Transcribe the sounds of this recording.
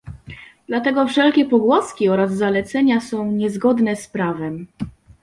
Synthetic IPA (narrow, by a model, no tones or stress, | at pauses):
d̪̥lat̪ɛɡɔfʂɛlkʲɛpɔɡwɔskʲiɔɾazːalɛt̪sɛɲasɔ̃w̃ɲɛzɡɔd̪nɛspɾavɛm